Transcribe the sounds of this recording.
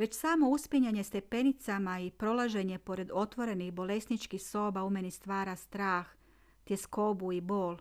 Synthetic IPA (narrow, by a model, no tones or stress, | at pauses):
ʋe̞t͡ɕsaːmo̞uspiɲaɲe̞st̪e̞pe̞nit̪samaipɾo̞laʒe̞ɲe̞po̞ɾe̞d̪o̞t̪ʋo̞ɾe̞nixbo̞le̞snit͡ʃkixso̞ːbaumenist̪ʋaːɾast̪ɾaːx | t̪jesko̞buibo̞ːl